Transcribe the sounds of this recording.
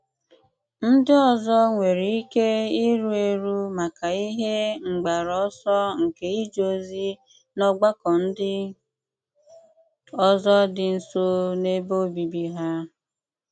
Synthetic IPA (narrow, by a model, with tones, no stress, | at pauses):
n̩˦dɪ˦ɔ˨zɔ˦ŋʷe˨ɾi˨i˦ke˦i˦ɾu˦e˦ɾu˦ma˨ka˨i˦ɦe˦ŋ͡m̩˨ɡ͡ba˨ɾɔ˦sɔ˦ŋ̩˨ke˨i˦d͡ʒo˦zi˦ | nɔ˦ɡ͡ba˦kɔ˨n̩˦dɪ˦ | ɔ˦zɔ˦dɪ˨n̩˨so˦ne˦bo˦bi˨bi˦ɦa˦